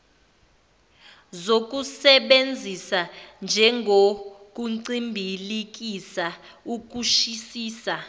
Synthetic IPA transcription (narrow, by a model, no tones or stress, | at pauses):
zok̬ʼusɛɓend͡zʱisand͡ʒʱɛŋɡʱok̬ʼuǀimbʱilik̬ʼisa | uk̬ʼuʃisiːsa